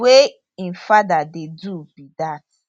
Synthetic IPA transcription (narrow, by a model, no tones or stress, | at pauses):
we | ĩnfadadedubidat